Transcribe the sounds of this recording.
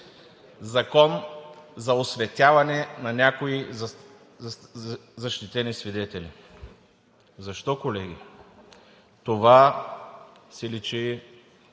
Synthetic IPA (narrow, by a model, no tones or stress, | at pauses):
zɐkɔnzɐosvɛt̪ʲavɐnɛnɐnʲakoi | zɐʃt̪it̪ɛnisvid̪ɛt̪ɛli | zɐʃt̪ɔkolɛɡʲi | t̪ova | sɛlit͡ʃi